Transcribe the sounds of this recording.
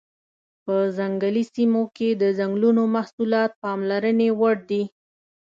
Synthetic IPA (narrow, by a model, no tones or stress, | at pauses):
pəzaŋɡəlisimoked̪əzaŋɡlunomahsulɑt̪̚pɑmlaɾənewaɽd̪i